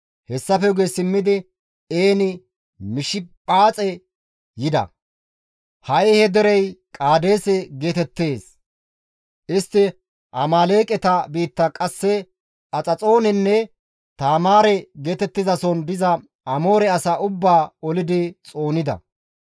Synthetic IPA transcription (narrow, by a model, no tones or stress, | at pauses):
hɛsːɐfɛʊɡesɪmːɪd̪ɪ | eːnɪ | mɪʃɪpʼaːt͡sʼɛ | jɪd̪ɐ̰ | hɐʔɛhɛd̪ɛɾɛjkʼaːd̪e̞ːsɛɡe̞ːt̪ɛt̪ːe̞ːs | ʔɪst̪ːɪ | ʔɐmaːle̞ːkʼɛt̪ɐbiːt̪ːɐkʼɐsːɛ | ɐt͡sʼɐt͡sʼo̞ːnɛnːɛ | t̪aːmaːɾɛɡe̞ːt̪ɛt̪ːɪzɐsɔnd̪ɪzɐ | ɐmo̞ːɾɛɐsaʔʊbːaːɔlɪd̪ɪt͡sʼo̞ːnɪd̪ɐ̰